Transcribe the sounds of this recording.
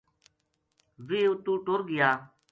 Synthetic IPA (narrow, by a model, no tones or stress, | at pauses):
ʋeːʊt̪ũːʈoːɾɡɪjaː